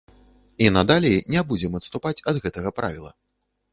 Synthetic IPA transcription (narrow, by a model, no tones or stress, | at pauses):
inɐd̪alʲejnʲɛbud͡zʲɛmɐt̪st̪upat͡sʲɐd̪ɣɛt̪ɐɣɐpɾa̰vʲilˠɐ̰